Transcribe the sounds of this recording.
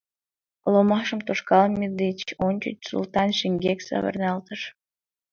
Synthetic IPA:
lomɑʃəmt̪oʃkɑlmʲed̪et͡ɕonʲt͡ɕy̰t͡ɕsṵlt̪ɑnʃiŋɡʲeksɑ̰βə̰rnɑlt̪əʃ

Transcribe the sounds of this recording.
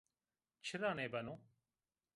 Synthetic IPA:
t͡ʃʰɪɾãːneːbɐnõː

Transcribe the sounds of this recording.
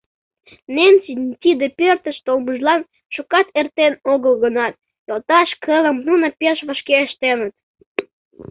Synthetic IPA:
nensinʲt̪ʲid̪epørt̪əʃt̪olməʒlɑn | ʃukɑt̪ert̪enoɣəlɣənɑt̪̚ | jolt̪ɑʃkʰələmnunə̆peʃβəʃkeəʃt̪enət̪̚

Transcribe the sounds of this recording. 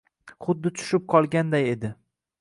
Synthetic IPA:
χʊd̪ːɪt͡ʃ̪ʰʊ̥ʃɪp̚qʰɒlˠɡʲand̪aje̞d̪ɪ

